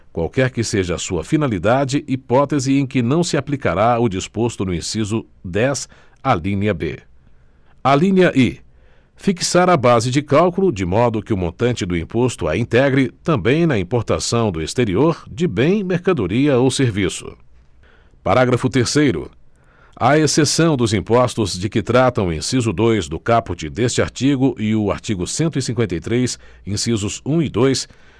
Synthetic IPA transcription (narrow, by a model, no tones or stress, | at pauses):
kwa̰wkɛɾkɪseʒɐːsuɐfinalid̪ad͡ʒɪʔipɔt̪ezɪẽj̃kɪnɐ̃w̃sɪaplikaɾaʊd͡ʒispost̪ʊnʊĩsizʊ | d̪ɛs | alĩniɐbḛ | alĩniɐʔi | fiksaɾabazɪd͡ʒɪkawkulʊd͡ʒɪmɔd̪ʊkɪʊmõnt̪ɐ̃nt͡ʃɪd̪ʊĩpost̪ʊa̰ĩt̪ɛɡɾɪt̪ɐ̃mbẽj̃nɐĩpoɾt̪asɐ̃w̃d̪ʊest̪eɾioɾd͡ʒɪbẽj̃meɾkad̪oɾiɐowseɾvisʊ̰ | paɾaɡɾɐfʊt̪eɾsejɾʊ̰ | aesesɐ̃w̃d̪ʊzĩpɔst̪ʊzd͡ʒɪkɪt̪ɾat̪ɐ̃w̃ḛ̃sizʊd̪ojzd̪ʊkapʊt͡ʃɪd̪est͡ʃɪa̰ɾt͡ʃiɡʊʔɪʊa̰ɾt͡ʃiɡʊsẽnt̪ʊisĩŋkwẽnt̪ejt̪ɾejsẽsizʊzũɪd̪ojs